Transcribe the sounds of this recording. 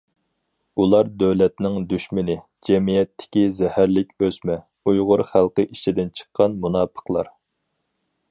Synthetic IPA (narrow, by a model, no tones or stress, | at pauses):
ulˠɑɾd̪øwlɛt̪nɪŋd̪yʃmɪnɪ | d͡ʒɛmijɛt̪ʰːɪ̥kʲizɛhæɾlɪkʲøsmɛ | ujʁʊɾχælˠqəʔit͡ʃʰid̪ɪnt͡ʃʰə̥qʰːɑnmunɑːpʰə̥qlˠɑ̰ɾ